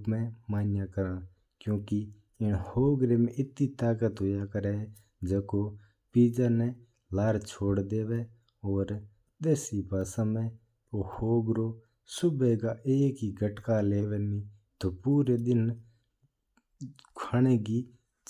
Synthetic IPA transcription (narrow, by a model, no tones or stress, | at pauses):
mɛ̃ːmaːnɪjãːkəɾãː | kjõːki | ɪnhoːɡɾeːmɛ̃ɪt̪iːt̪aːkət̪ɦoːjaːkəɾɛː | d͡ʒeːkoː | piːd͡ʒaːnɛ̃ː | laːɾt͡ʃʰoːɽd̪eːʋɛː | oːɾ | ɗ̪eːsiːbʱaːsãːmɛ̃ː | oːhoːɡɾoː | sʊbɛːɡaːʔeːkiːɡʱəʈkaːleːʋɛːmĩː | t̪oːpuːɾeːɗ̪ɪn | kʰaːneːɡiː